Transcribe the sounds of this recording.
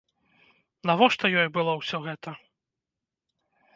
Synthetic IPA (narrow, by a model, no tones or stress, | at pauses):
navɔʂt̪ɐjɔjbɨlˠɔwsʲɔɣɛt̪ɐ